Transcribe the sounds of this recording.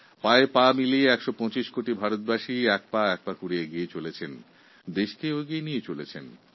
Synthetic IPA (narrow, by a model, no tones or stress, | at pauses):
paepamilieɛkʃopɔ̃t͡ɕiʃkoʈibʱaɾot̪̚baʃiɛk̚paɛk̚pakuɽieɡiet͡ɕolet͡ɕʰen | d̪eʃkeoɡenijet͡ɕolet͡ɕʰen